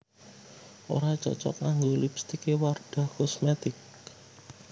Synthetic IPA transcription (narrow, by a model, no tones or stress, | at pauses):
ʔo̰ɾat͡ʃɔ̰t͡ʃɔ̰kːaŋɡolipst̪ikeward̪̥a̤hkɔsmet̪ɪk̚